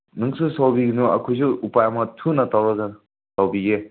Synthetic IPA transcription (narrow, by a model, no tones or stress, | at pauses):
nɯŋsusawbiɡinuɐ̰kʰujs̬uupajɐmɐtʰunɐtawɾaɡa | tawbiɡe